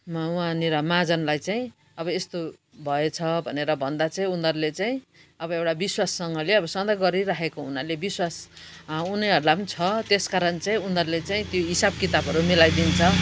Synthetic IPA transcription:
mawãniɾʌmad͡zʌnlajt͡saĩ | ʌbʌest̪o | bʱʌet͡sʰʌbʱʌneɾʌbʱʌnd̪at͡saĩund̪ʌrlet͡saĩ | ʌbʌewʈabiswasːʌŋɡʌleʌbʌsʌnd̪ʌɡʌɾiɾaɦekounalebiswas | uniɦʌɾulapʌnit͡sʰʌt̪eskaɾʌnt͡saĩundʌɾlet͡saĩt̪joɦisab̚kit̪abʱʌɾumilajd̪int͡sʰʌ

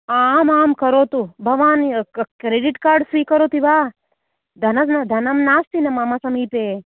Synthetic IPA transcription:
amaːmkɐɾot̪ubʱɐʋaːnkɾeːɖiʈkaːɾɖsʋikəɾot̪iʋaː | d̪ʱɐnɐsnad̪ʱɐnɐmnaːst̪inɐmamasɐmiːp̪e

